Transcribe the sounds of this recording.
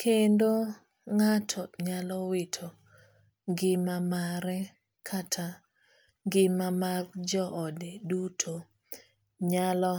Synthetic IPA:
kʰendo | ŋatʰɔɲalɔwɪtʰo | ɡɪmamaɾɛ | kʰatʰa | ɡɪmamard͡ʒɔʔɔdedutʰo | ɲalɔ

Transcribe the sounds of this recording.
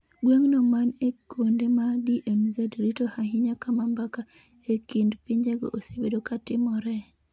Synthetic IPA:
ɡweŋnɔmanekondemadiʔemzɛdɾitohaɦɪɲakamambaka | ekindpiɲd͡ʒeɡo̰ʔosebedokatɪmɔɾɛ

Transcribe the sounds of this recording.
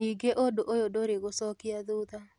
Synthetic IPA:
iɡeʔodoʔojodoɾɪɡosɔkɪad̪ud̪a

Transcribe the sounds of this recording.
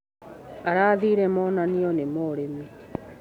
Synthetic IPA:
aɾaːðiːɾɛmɔnaniɔnemɔɾemi

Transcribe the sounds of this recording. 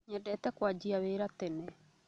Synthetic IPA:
ɲɛdɛtɛkwad͡ʑiaweːɾatɛnɛ

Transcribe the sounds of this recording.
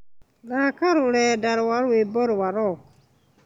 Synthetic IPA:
lakaɾulɛdaɾuwaɾuwebɔɾuwaɾɔ

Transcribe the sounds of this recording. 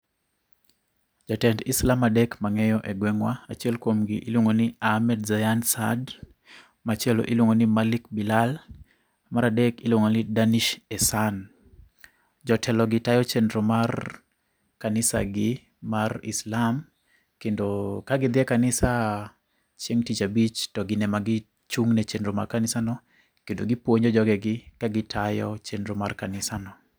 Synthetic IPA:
d͡ʒɔtɛndislamadɛkmaŋɛjɔʔɛɡwɛŋwaat͡ʃiɛlkwomɡḭʔilwoŋoniahmɛdzajansa̰d | mat͡ʃɛlo̰ʔilwoŋɡonimalikbilal | maɾadɛkilwoŋonidaniʃɛsan | d͡ʒɔtʰɛlɔɡɪtajɔt͡ʃɛndɾomar | kanɪsa̰ɡɪ | marɪ̰slam | kendokaɡɪd̪ɪɛkanɪsa | t͡ʃjeŋtit͡ʃabit͡ʃtɔɡɪnɛmaɡɪ | t͡ʃuŋnɛt͡ʃendɾoma̰rkanɪsanɔ | kendoɡipwoɲɔd͡ʒɔɡɛɡɪkaɡɪtʰajɔt͡ʃendɾomarkanɪsanɔ

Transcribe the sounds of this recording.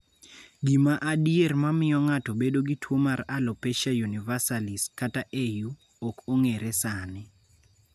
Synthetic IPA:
ɡimaʔadiermamɪjɔŋatobedoɡitʰwomaralopeʃajunivasaliskataʔeju | okoŋeɾɛsanɪ

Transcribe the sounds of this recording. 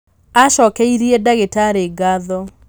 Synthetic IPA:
aʃɔkɛiɾiɛdaɣetaɾeɡaðɔ

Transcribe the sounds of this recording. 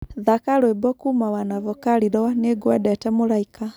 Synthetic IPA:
ðakalwebɔkumawanavɔkaliɾɔneɡwɛɗɛtɛmulaika

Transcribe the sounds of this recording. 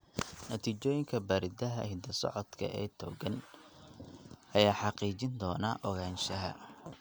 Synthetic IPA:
nɐt̪ʰiːt͡ʃɔːjɪŋkʰɐbaːɾɪd̪ɐɦɐ̰hɪd̪ɐsɔ̰ʕɔt̪kʰɐ̰ʔɛːt̪ʰɔːɡɐn | ʔɐjaːħɑqiːt͡ʃɪnd̪ɔːnɐʔɔɣaːnʃɐɦɐ̰

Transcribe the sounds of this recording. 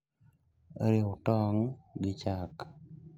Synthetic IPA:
ɾɪʊtɔŋɡɪt͡ʃak

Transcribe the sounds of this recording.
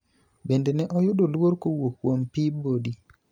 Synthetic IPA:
bendenɛʔɔjʊdolwoɾkowokwompibodi

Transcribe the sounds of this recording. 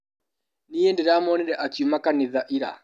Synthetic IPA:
nijɛndiɾamɔnɛɾɛʔakiumakaniðaʔiɾa̰

